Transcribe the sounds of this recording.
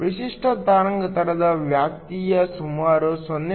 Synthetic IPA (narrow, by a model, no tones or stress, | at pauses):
pɾiʃiʂʈʰɐd̪aɾɐŋɡɐt̪ɐɽɐd̪ɐʋjak̚t̪ijɐsumaɾoswɔnj